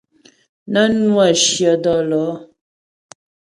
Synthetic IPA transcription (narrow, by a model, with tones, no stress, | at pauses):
na˦nwa˦˨ʃjə˨dɔ˦˨lɔ˨˦